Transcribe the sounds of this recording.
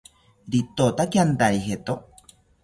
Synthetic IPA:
ɾit̪ot̪akjand̪ajɦet̪o

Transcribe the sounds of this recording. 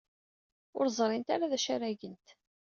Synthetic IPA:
ʊ̰ɾzˤɾˤɪnt̪a̰ɾaðæʃæɾæʝənt̪

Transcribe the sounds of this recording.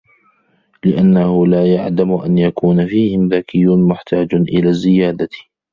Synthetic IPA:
lɪʔanːahʊlaːjaʕd̪amʔa̰njakuːnafiːhɪmðakɪjːʊnmʊħt̪aːd͡ʒʔɪlaːzɪjaːd̪a

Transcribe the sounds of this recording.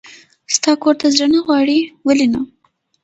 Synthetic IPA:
st̪ɑkoɾt̪azɾənaɣwɑɽiwəlina

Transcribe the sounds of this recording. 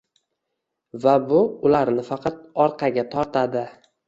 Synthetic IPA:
vabʊʊlaɾnɪfɑqʰɑt̪̚ɒɾqʰɑɡʲat̪ʰɒɾt̪ʰad̪ɪ

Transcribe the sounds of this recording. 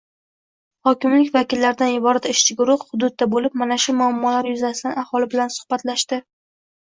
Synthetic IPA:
hɒkʲɪmlɪkʲvakʲɪlːaɾɪd̪anjɪbɒɾat̪ɪʃt͡ʃʰɪɡʊɾʊχhʊd̪ʊd̪̚ːabolɪp̚manaʃʊmʊamːɒlaɾjʊzasɪd̪anahɒlɪbɪlansʊ̥hbat̪laʃt̪ɪ

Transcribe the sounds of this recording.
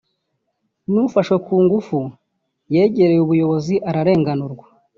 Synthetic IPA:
nuufaʃwekuːŋɡufu | je̞ːɟe̞ɾe̞juβujo̞βo̞ziʔaɾaɾe̞ːŋɡanuɾɡwa

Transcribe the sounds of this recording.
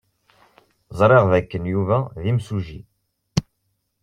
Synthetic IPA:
zˤɾˤeʁðækːənjuvæðimsuʒḭ

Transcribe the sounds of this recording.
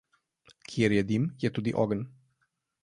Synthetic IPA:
kʰiɛɾjɛd̪imjɛt̪ud̪iʔɔɡən

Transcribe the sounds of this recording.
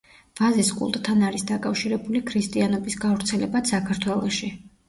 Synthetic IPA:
v̥aziskʼṵlˠt̪ʼt̪ʰanaɾisd̪akʼafʃiɾɛbulikʰɾist̪ʼianɔbisɡavɾt̪sʰɛlɛbat̪sakʰaɾt̪ʰwɛlˠɔʃi

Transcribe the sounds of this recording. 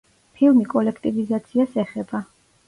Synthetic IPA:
pʰilˠmikʼɔlɛkʰt̪ʼivizat̪sʰiasɛχɛb̥a

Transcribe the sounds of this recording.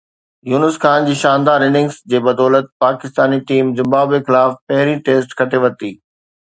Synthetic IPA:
juːnəskʰaːnd͡ʑiːʃãːnd̪aːɾɪnɪ̃ŋɡsd͡ʑeːbɐd̪ɔːlət̪̚paːkɪst̪aːniʈiːmzɪ̃mbaːbexɪlaːfpɐɦɾĩʈeːsʈkʰɐʈʰeʋɐt̪iː

